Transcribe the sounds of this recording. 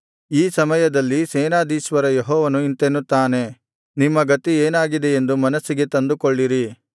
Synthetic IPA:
iːsɐmɐjɐd̪ɐlːiseːnaːd̪iːʃʋɐɾɐjeɦɔːʋɐnuint̪enːut̪ːaːne̞ | nimːɐɡɐt̪ieːnaːɡid̪e̞end̪umɐnɐsːiɡe̞t̪ɐnd̪ukoɭːiɾi

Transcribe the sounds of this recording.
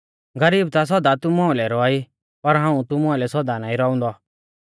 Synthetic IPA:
ɡɐɾiːb̚t̪as̬ɔd̪at̪ʊmɔ̃ːlɛɾɔaːi | pɐɾɦãːũt̪ʊmɔ̃ɪlɛsɔd̪anaːĩɾɔːʊ̃nd̪ɔ

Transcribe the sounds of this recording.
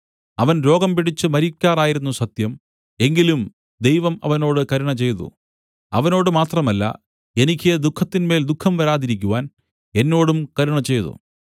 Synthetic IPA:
ɐʋɐnɾo̞ːɡɐmpiɽit͡ɕːɨmɐɾikʲːaːraːjiɾunːusɐt̪jɐm | e̞ŋɡilum | d̪e̞jʋɐmɐ̰ʋɐno̞ːɽɨkɐɾuɳɐt͡ɕe̞jðṵ | ɐʋɐno̞ːɽɨmaːt̪rɐmɐlːɐ̰ | e̞nikʲːied̪ukʰːɐt̪ːinme̞ːld̪ukʰːɐmʋɐɾaːðiɾikʲːuʋaːn | e̞nːo̞ːɽumkɐɾuɳɐt͡ɕe̞jðṵ

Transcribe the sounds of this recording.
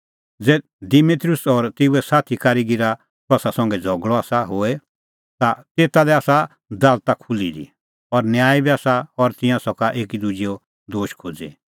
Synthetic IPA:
d͡zɛ | d̪imit̪ɾʊsɔɾt̪euɛsaːt̪ʰikaɾiɡiɾa | t̪ɔsasɔ̃ŋɡɛd͡zʱɔɡɭɔaːsaɦoːɛ | t̪at̪eːt̪alɛaːsa | d̪alt̪akʰulid̪ḭ | ɔɾnjaːibiaːsaɔɾt̪ɪ̃jãsɔkaʔeːkid̪ud͡ʒijɔ | d̪oːʃkʰod͡zḭ

